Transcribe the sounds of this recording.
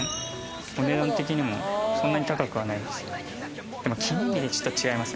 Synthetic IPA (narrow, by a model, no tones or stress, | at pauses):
o̞ne̞d̪ãnt̪e̞k̬ʲiɲ̟imo̞̰sõ̞nːaɲ̟it̪akakɯβanaind̪esɨ̥ | d̪̥e̞mo̞kʲʰĩɲɾʲid̪e̞t͡ɕo̥t̪ːot͡ɕiɡaimasɨ